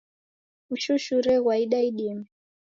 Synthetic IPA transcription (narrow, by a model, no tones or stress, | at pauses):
uʃuʃuɾɛɣwaiɗaiɗimi